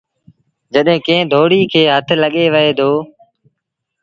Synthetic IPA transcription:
d͡ʒəɗɦẽːkẽːd̪ʱoːɽiːkʰeːɦət̪ʰləɠeːʋəɦeːd̪oː

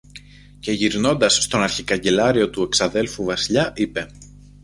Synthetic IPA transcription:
ce̞ʝiɾno̞nd̪ɐsːt̪o̞nɐɾçikɐɲɟe̞lɐɾio̞t̪ue̞ksɐðe̞lfuvɐsiʎɐʔipe̞

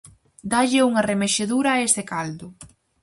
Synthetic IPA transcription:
d̪aʎɪuŋɐremeʃeðuɾɐesɪkald̪ʊ

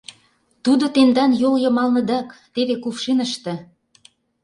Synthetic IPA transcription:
t̪ud̪ot̪end̪ɑnjoljɤ̆mɑlnə̆d̪ɑkt̪eβekufʃinəʃt̪ĕ

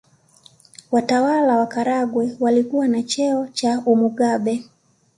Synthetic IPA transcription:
watawalawakaɾaɡwɛwalikuwanat͡ʃɛɔt͡ʃaumuɠaɓɛ

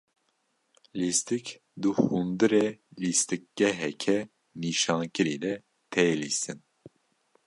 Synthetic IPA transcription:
list̪ɨk | d̪uhund̪ɨɾelist̪ɨk̚ɡ̥ɛɦɛkʰɛ | niʃɑːŋkɨɾiːd̪ɛ | t̪ʰɛjlist̪ɨn

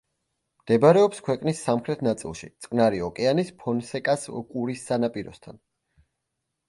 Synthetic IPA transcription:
md̪̥ɛbaɾɛɔpskʰwɛqʼnisːamχɾɛt̪ʰnat̪sʼḭlˠʃḭt̪sʼkʼnaɾiɔkʼɛanispʰɔnsɛkʼaskʼuɾisːanapʼiɾɔ̰st̪ʰa̰n

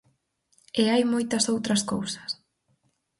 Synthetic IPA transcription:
eajmojt̪ɐsowt̪ɾɐskowsɐ̥s

